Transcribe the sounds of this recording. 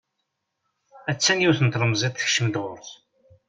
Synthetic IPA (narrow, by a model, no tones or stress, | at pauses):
æt͡sːænjiwθənt̪lˤəmzˤit̪θəçʃəmd̪ʁʊɾθ